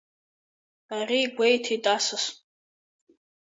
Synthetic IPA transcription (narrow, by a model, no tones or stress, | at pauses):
ariɡʷejtʰitʼasɨs